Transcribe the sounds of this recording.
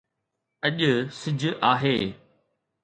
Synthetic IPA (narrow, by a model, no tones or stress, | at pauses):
ɐʄʊsɪd͡ʑʱʊʔaːɦeː